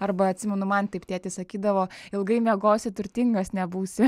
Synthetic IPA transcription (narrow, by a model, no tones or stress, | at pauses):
ɐɾbɐɐt̪ʲsʲɪmʲɛnʊmɐnt̪ɐɪpt̪ʲeɛt̪ʲɪsɐkʲiːd̪ɐʋoːɪlˠɡɐɪmʲeɛɡoːsʲɛt̪ʊɾʲt̪ʲiŋɡɐsnʲɛbuːsʲɪ